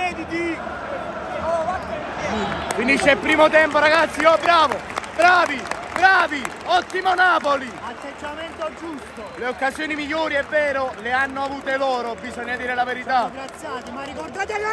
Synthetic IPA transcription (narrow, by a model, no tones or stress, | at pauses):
t̪id̪ik | kwind̪it͡ʃːɛpːɾiːmot̪ɛmpoɾaɡat̪sːiɔbɾaːvobaːvibɾaːviɔt̪ːimonaːpoliat̪ːed͡ʒamɛnt̪od͡ʒust̪oleokːasjoːnimiʎːoːɾiɛvːɛːɾoleanːoavuːt̪elɔːɾobizɔɲːad̪iːɾelaveɾit̪aɾat̪sat̪eaikoɾd̪aːt̪ala